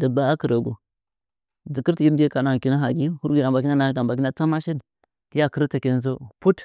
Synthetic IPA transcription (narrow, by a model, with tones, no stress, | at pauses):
də˨ba˦a˦kə˨ɾə˨ɡṵ˨ | d͡zi˨ki˦ɾti˨ji˦ɾde˦ka˨na˨ki˦na˦ɦa˨ɡi˦hu˦ɾɡi˨ɾa˨mba˨ki˦na˦na˨˦ta˨mba˨ki˦na˦t͡sa˦ma˦ʃi˦n | ki˦ja˦kə˦ɾta˨ki˦n˦z̬o˦pu˦t